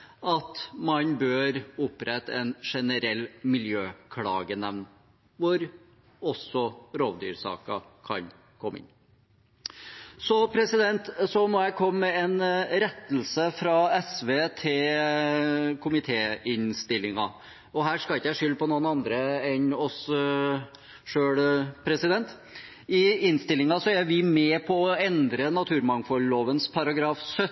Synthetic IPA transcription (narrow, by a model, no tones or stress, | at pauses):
ɑt̪mɑnbøːɾʊpɾɛt̪ːɛnʂɛnəɾɛlːmɪljøːkʰlɑ̰ːɡənɛʋn | ʋʊɾ | ɔsːɔɾoːʋd̪y̰ːɾsɑ̰ːkɑ̰kʰɑ̰n | kʰɔmːɪ̰nː | sɔpʰɾɛsɪd̪ɛnt̪sɔmɔjæɪkʰɔmːɛɛnɾɛt̪ːl̩səfɾɑɛsʋeːt̪ʰɪl | kʰʊmɪt̪ʰeːɪnst̪ɪlːɪŋɑ̰ | ɔɦæːɾʂkɑlɪkːəjæʂʏlːpɔnuːənɑnd̪ɾəɛnɔs | ʂøːɽpʰɾɛsɪd̪ɛnt̪ | ɪɪnst̪ɪlːɪŋɑsɔæɾʋɪmɛpʰɔɔɛnd̪ɾənɑt̪ʰʉːɾmɑŋfɔlːoːʋənspʰɑɾɑɡɾɑːfsœ